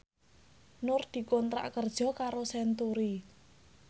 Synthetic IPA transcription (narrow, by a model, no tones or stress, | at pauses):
nʊrd̪̥i̤kɔnt̪ɾa̰ʔkərd̥ʒ̥ɔ̤kaɾosɛnt̪uɾi